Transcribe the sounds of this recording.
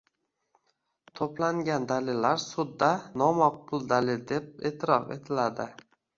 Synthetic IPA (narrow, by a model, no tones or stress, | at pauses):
t̪ʰoplaŋɡʲand̪alɪlːaɾsʊd̪ːanɒmɒq̚pʊlˠd̪alɪld̪e̞p̚eːt̪ʰɪɾɒfe̞̰t̪ʰɪlad̪ɪ